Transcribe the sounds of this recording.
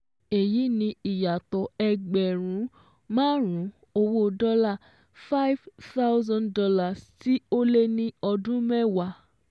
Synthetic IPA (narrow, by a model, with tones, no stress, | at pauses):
e˨ji˨˦nĩ˧i˨ja˨tɔ˨ɛ˧ɡ͡bɛ˨ɾ̃ũ˨˦ | mãː˦ɾũ˨˦ | o˧wo˦dɔ˦la˦˨ | fa˦i˦vta˦wzã˦ndɔ˧la˦˨sti˦o˦le˦nĩ˦ɔ˧dũ˦mɛ˦wa˧˨